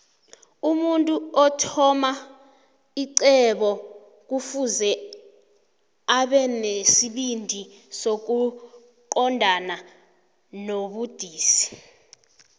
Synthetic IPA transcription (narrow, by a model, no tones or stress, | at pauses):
umuntʼuɔtʰɔma | iǀɛɓɔ | k̬ufuzɛ | aɓɛnesiɓindʱi | sok̬u | ǃɔndʱana | noɓud̥ʱiːsi̥